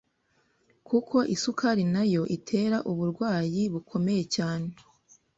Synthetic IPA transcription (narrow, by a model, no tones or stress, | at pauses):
kukʰo̞ʔisukʰaɾinajo̞ʔitʰe̞ɾaʔuβuɾɡwaːjiβukʰo̞me̞je̞caːne̞